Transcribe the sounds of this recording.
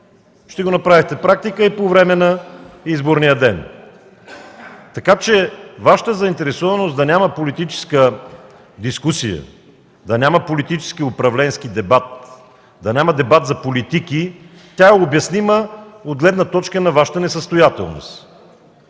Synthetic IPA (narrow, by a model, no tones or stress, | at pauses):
ʃt̪ɛɡonɐpɾavixt̪ɛpɾak̚t̪ikəipovɾɛmɛnɐizboɾnijəd̪ɛn | t̪ɐkat͡ʃɛvaʃə̥t̪əzɐint̪ɛɾɛsɔvɐnosd̪ɐnʲamɐpolit̪it͡ʃɛ̥skə | d̪iskusijə̰ | d̪ɐnʲaməpolit̪it͡ʃɛ̥skiʊpɾɐvlɛnskid̪ɛbat̪̚ | d̪ɐnʲaməd̪ɛbat̪zɐpolit̪iki | t̪ʲaɛobjɐsniməod̪̚ɡlɛd̪nət̪ɔt͡ʃkənɐvaʃə̥t̪ənɛsəst̪ojat̪ɛ̰lˠno̰st̪